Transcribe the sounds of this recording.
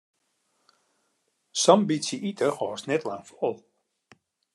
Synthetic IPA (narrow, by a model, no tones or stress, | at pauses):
sɔmbisiʔitʰəxɔːsnɛtlaŋfɔɔlˠ